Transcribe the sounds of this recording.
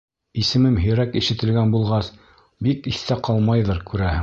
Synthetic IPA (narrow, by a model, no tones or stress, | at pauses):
isɘ̆mɘmɦɘ̆ɾækiʃɘ̆t̪ɘ̆lɡænbulˠʁɑs | bikiθt̪æqɑlˠmɑjðɤɾkʉɾæhɘ